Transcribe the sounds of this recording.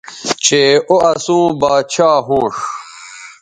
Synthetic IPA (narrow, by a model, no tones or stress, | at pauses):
t͡ɕʰeːoɐsũːbaːt͡ɕʰaːɦuːʂ